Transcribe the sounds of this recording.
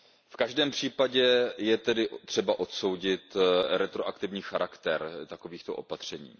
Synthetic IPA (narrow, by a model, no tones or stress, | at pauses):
fkaʒdɛːmpr̥iːpaɟɛjɛt̪ɛdɪt̪r̝̥ɛbaʔo̞t̪so̞wɟɪt̪ɾɛt̪ɾo̞ʔakt̪ɪvɲiːxaɾʔakt̪ɛɾt̪ako̞viːxt̪oʔo̰pat̪r̝̥ɛɲḭː